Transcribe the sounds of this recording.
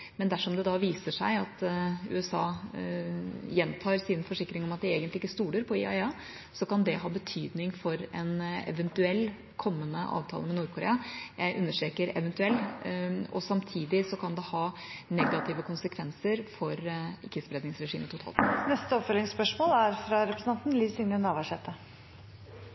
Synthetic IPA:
mɛnd̪æʂɔmd̪ɛd̪ɑʋiːsəʂæɪɑt̪ʉ̰ːɛsɑː | jɛnt̪ʰɑːɾsɪnfɔʂɪkːɾɪŋɔmɑt̪̚d̪ɪeːɡənt̪ɪkːəst̪uːləɾpʰɔɪ̰ɑɪɑ | sɔkɑnd̪ɛɦɑːbət̪ʰyːd̪nɪŋfɔɾɛnɛ̰ʋənt̪ʉɛlː | kʰɔmːənəʔɑ̰ːʋt̪ʰɑ̰ləmɛnuːɾkʰʊɾḛːɑjæɪʔʉnːəʂʈ̪ɾeːkəɾɛ̰ʋənt̪ʉɛlː | ɔsɑmt̪ʰiːd̪ɪsɔkʰɑnd̪ɛhɑːnɛɡɑt̪ʰɪːʋəkʰʊnsəkʰʋɛnsəɾfɔɾɪkːəspɾed̪nɪŋsɾɛʂiːmət̪ʰʊt̪ʰɑ̰ːlt̪nɛst̪əɔpfœlɪŋspœʂmoːlæɾfɾɑɾɛpɾəsn̩ɑnt̪nliːsɪŋənɑːʋæʂɛt̪ʰːə

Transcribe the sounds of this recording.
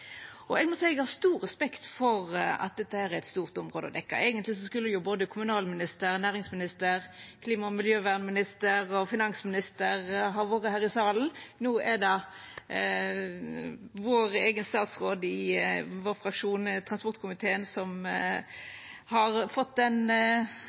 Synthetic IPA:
ʔɔɛɡmɔt̪sæɪɛɡhɑːst̪uːʁɛspɛkt̪fɔʁɑ̰t̪̚d̪ɛt̪ːəhæːɾæɾɛt̪st̪uːʁt̪ʊmʁoːd̪əɔd̪ɛkːɑ̰ʔɛːɡənt̪lɪsɔskʉlːəjʊboːd̪əkʰʊmʉnɑːlmɪnɪst̪əɾnæːʁɪŋsmɪnɪst̪əʁkʰliːmɑmɪljøːʋæːʁnmɪnɪst̪əɾɔfɪnɑŋsmɪnɪst̪əʁɦɑʋoːʁəhæːʁɪsɑːln̩nuːʔɛd̪ɑ | ʋoːɾeːɡənst̪ɑːt̪sʁoːd̪ɪʋoːʁfɾɑkʂuːnt̪ʰʁɑnspɔʁt̪kʰʊmɪt̪ʰeːənsɔm | hɑʁfɔt̪ːɛn

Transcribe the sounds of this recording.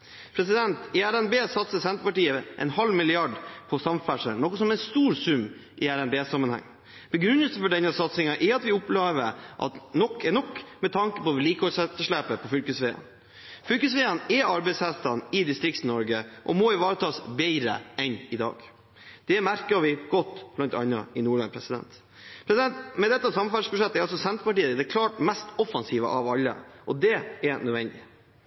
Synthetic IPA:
pʰɾɛsɪd̪ɛnt̪ɪæɾɛnbeːsɑt̪səsɛnt̪ɾəpɑʈiːəʔɛ̰nhɑlmɪlɪɑɖpʰɔsɑmfæʂə̰nɔkːɔsɔmɛnst̪uːɾsʉmː | ʔɪæɾɛnbeːsɑmːənhæ̰ŋː | b̥ɛɡɾʉnːəlsəfɔɖɛnːəsɑt̪sɪŋɑʔɛɾɑt̪ʋɪʊpleːʋəɾʔɑ̰t̪nɔkʰːɛnɔkːmɛt̪ʰɑŋkəpɔʋliːkəhɔlsɛt̪ːəʂɭæːpəpʰɔfʏlkəsʋeːɑ̰n | fʏlkəs̬ʋɛːɑnɛɑɾbɛɪsæst̪ɑnɪd̪ɪst̪ɾɪkt̪nɔɾɡəʔɔ̰mɔɪʋɑːɾət̪ʰɑːsbɛɪɾə̰ʔɛnɪd̪ɑ̰ːɡ̥ | d̪̥ɛmæɾkəʋɪɡ̥ɔt̪ːb̥lɑnt̪ɑ̰nːɑ̰ɪnuːɭɑ̰npʰɾɛsɪd̪ɛ̰nt̪ | pʰɾɛsɪd̪ɛnt̪mɛd̪ɛt̪ːəsɑmːɑfɑʂbʉʂɛt̪ːɛɾɑlsɔsɛnt̪ɾəpɑʈiːəd̪ɛkʰlɑːʈmɛst̪ɔfɑnsiːʋə̰ʔɑʋɑlːə̰ʔɔd̪ɛɛnœd̪ʋɛnd̪ɪ

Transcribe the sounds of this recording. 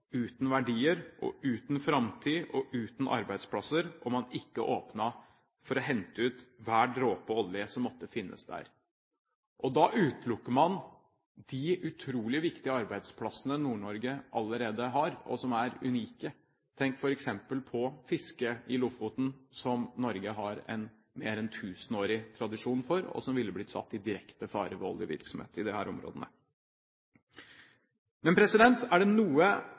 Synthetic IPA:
ʉːt̪n̩ʋæɖiːəɾʔɔ̰ʔʉːt̪n̩fɾɑmt̪ʰiːʔɔʔʉːt̪nʔɑ̰ɾbæɪd̪spʰlɑsːəɾʔɔmɑnɪkːəʔoːpnɑ | fɔɾɔɦɛnt̪əʉːt̪ʋæːɖɾoːpɔɔljəsɔmːɔt̪ːəfɪnːə̰sd̪æ̰ɾ | ʔɔd̪ɑʔʉːt̪lʊkːəɾmɑn | d̪̥ɪʉt̪ʰɾuːlɪʋɪkt̪ɪəɑɾbæɪd̪spʰlɑsənənuːɳɔɾɡəʔɑlːəɾeːd̪əɦɑɾɔ̰sɔmæɾʉ̰niːkə | t̪ʰɛŋkfɔɾɛksɛmpəlpʰɔfɪskəɪlʊfʊt̪n̩sɔmnɔɾɡəɦɑɾɛ̰n | meːɾɛnt̪ʰʉːsənoːɾɪt̪ʰɾɑd̪ɪʂuːnfɔɾɔ̰sɔmʋɪlːəbliːsɑ̰t̪ːɪd̪ɪɾɛkt̪əfɑ̰ːɾəʋɔ̰lɪʋɪ̰ɾksɔmhḛːt̪ɪd̪ɛhæːɾɔmɾo̰ːd̪ənə̰ | mɛnpʰɾɛsɪd̪ɛnt̪æɖɛnuːə

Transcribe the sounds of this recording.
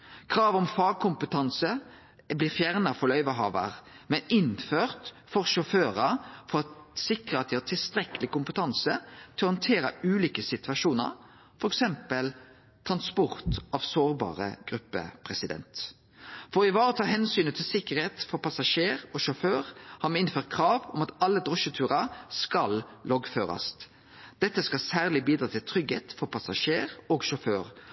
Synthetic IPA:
kʰʁɑːʋɔmfɑːɡ̚kʰʊmpət̪ʰɑnsə | bliːɾfjæʁnɑfɔʁlœʏʋəɦɑ̰ːʋə̰ʁmɛnɪnføːʁt̪ | fɔʁʃɔføːʁəfɔʁɑt̪sɪkʁəɑt̪d̪ɪhɑːt̪ʰɪlst̪ɾɛkəlɪkʊmpət̪ʰɑnsət̪ʰɪlɔhɑnt̪ʰeːɾɑʉːliːkəsɪt̪ʋɑʃuːnə̰ʁ | fɔɾɛksɛmpəl | t̪ʰʁɑnspɔʁt̪ɑʋsoːʁbɑ̰ːʁə̰ɡ̥ɾʉpːə̰pʰʁɛsɪd̪ɛ̰nt̪ | fɔʁɪʋɑːɾət̪ʰɑːɦɛnsyːnət̪ʰɪlsɪkəʁheːt̪fɔʁpʰɑsɑʃeːʁɔʃɔføːʁhɑmɛɪnføːʁɾt̪̚kʰɾɑːʋɔmɑt̪ɑlːəd̪ʁɔʃət̪ʰʉːʁɑskɑllɔɡføːɾɑ̰s | d̪̥ɛt̪ːəskɑlsæːʁlɪbiːd̪ɾɑːt̪ʰɪlt̪ʰɾʏɡhḛːt̪fɔɾpʰɑsɑʃeːʁoːɡʃɔføːʁ

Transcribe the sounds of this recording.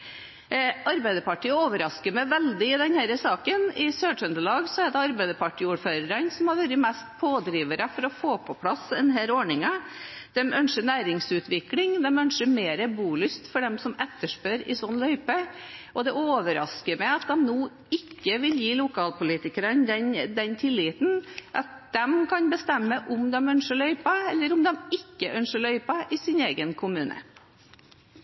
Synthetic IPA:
ɑɾbæɪd̪əpɑʈiːəoːʋəɾɑskəɾmɛʋɛld̪ɪɪd̪ɛnhæɾəsɑːkənɪsøːœnd̪əɭɑːɡsɔæd̪ɛɑɾbæɪd̪əpʰɑʈiːuːɾføːɾəɾənsɔmhɑɾʋæɾəmɛst̪pʰoːd̪ɾiːʋəɾəfɔɾɔfoːpʰɔpʰlɑsɛnɦæːɾoːɳɪŋɑd̪̥ɛmʔœnʂənæːɾɪŋsʉːt̪ʋɪklɪŋd̪ɛmœnʂəmeːɾəbuːlʏst̪fɔɖɛmsɔmɛt̪ːəʂpøɾɪ̰sɔnːlœʏpəʔɔd̪ɛʔoːʋəɾɑ̰skəɾmɛɑt̪̚d̪ɛmnoː | ɪkːəʋɪljiːlʊkʰɑːlpʊliːt̪ɪkəɾənd̪ɛnd̪ɛnt̪ʰɪlːɪːt̪n̩ʔɑt̪̚d̪ɛmkʰɑnbəst̪ɛmːəʔʊmd̪ɛmœnʂəɭœʏpɑɛlːəɾʊmd̪ɛmɪkːəʔœnʂəɭœʏpɑʔɪsɪneːɡənkʰʊmʉːnʔə̰

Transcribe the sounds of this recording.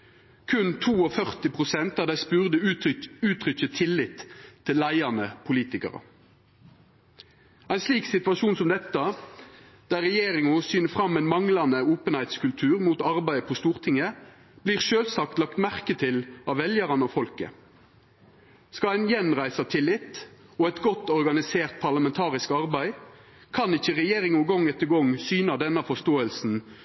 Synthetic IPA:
kʰʉnt̪ʰuːɔfœʁt̪ɪpʁʊsɛnt̪ɑʋd̪æɪspʉːʁd̪əʉʉːt̪ʰʁʏçət̪ʰɪlːɪt̪ʰːɪlːæɪɑnəpʰʊliːt̪ɪkə̰ʁə̰ | æɪnsliːksɪt̪ʋɑʃuːnsɔmd̪ɛt̪ːə | d̪̥æʁɛjeːʁɪŋʊsyːnəfʁɑmːɛɪnmɑŋlɑnəoːpənhæɪt̪skʉlt̪ʰʉːʁmuːt̪ɑʁbæɪəpʰɔst̪uːʁt̪ʰɪŋə | b̥liːʁʃøːlsɑkt̪lɑkt̪mæʁkət̪ʰɪlɑʋɛljəʁɑnɔfɔlkə̰ | skɑæɪnjɛnʁæɪsɑt̪ʰɪlːɪt̪ːɔɛt̪ɡɔt̪ːɔʁɡɑnɪseːʁt̪̚pʰɑʁlɑmɛnt̪ʰɑːʁɪskɑʁbæɪ | kʰɑnɪçːəʁɛjeːʁɪŋʊɡɔŋɛt̪ːəɡɔŋsyːnɑd̪ɛnːɑfɔst̪oːəlsn̩

